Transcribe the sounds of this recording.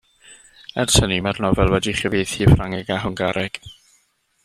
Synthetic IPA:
ɛrtʰənimarnɔvɛlˠwɛdiχəvejθifraŋɛɡaɦʊŋɡaɾɛɡ̥

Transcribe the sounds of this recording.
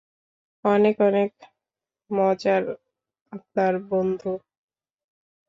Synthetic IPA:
ɔnekɔnek | mɔd͡ʑaɾ | ap̚naɾbond̪ʱu

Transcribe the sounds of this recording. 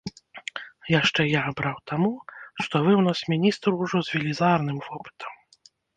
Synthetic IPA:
jaʂt͡ʂɛjabɾawt̪ʰamuʂt̪ɔvɨwnasmʲinʲist̪ɾwʐɔzvʲɛlʲizarnɨmvɔpɨ̥t̪ʰɐ̥m

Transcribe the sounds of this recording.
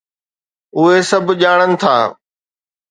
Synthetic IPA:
ʊɦesɐbʱʄaːɽ̃ənɪ̆t̪ʰa̰ː

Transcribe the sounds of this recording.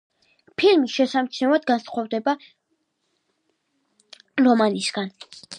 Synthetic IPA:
pʰilmiʃɛsamt͡ʃʰnɛvad̪̚ɡansχɔvd̪ɛba | ɾɔmanisɡ̥an

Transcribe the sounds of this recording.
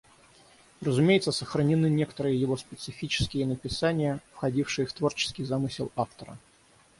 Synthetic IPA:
rəzʊmʲejɪt̪səsəxɾənʲɪnɨnʲekə̥t̪əɾɨjəjɪvo̞spʲɪt̪sɨfʲit͡ɕɪ̥skʲɪjənəpʲɪsanʲɪjəfxɐdʲifʂɨjəft̪vo̞rt͡ɕɪ̥skʲɪjzamɨsʲɪlˠaft̪əɾə̰

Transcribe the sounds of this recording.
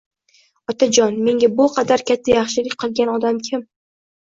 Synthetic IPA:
ɒt̪ʰad͡ʒɒnme̞ŋɡʲabʊqʰɑd̪aɾkʲat̪ʰːajɑχʃɪlɪkʲqʰɨlˠɡʲanɒd̪amkʲʰɪm

